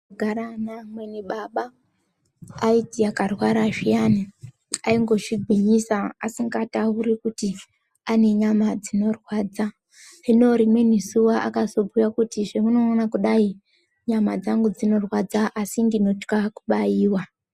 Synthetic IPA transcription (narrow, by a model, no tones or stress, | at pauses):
ɡʱaɾanamweniɓaɓa | itiakarwaɾaʒijani | aiŋɡo̞ʐiɡʱiɲisaasiŋɡatauɾikuti | ane̞ɲamad͡zino̞rwaːd͡za | ʐino̞ɾimwe̞nisuwaʔa̰kazo̞bʱujakutiʐemuno̞ːnakuɗai | ɲamad͡zaŋɡud͡zino̞rwad͡zaʔasindino̞t͡ʃkakuɓajiːwa